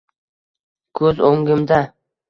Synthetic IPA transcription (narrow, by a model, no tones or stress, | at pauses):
kʰɵzoŋɡɪmd̪a